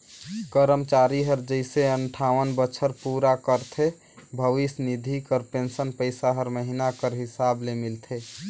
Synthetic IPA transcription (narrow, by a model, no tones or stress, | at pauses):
kəɾəmt͡ʃaɾiɦəɾd͡ʒəɪseəɳʈʰaʋənbət͡ʃʰəɾpuɾakəɾt̪ʰe | bʱəʋisnid̪ʱikəɾpensənpəɪsaɦəɾməɦinakəɾɦisablemilt̪ʰe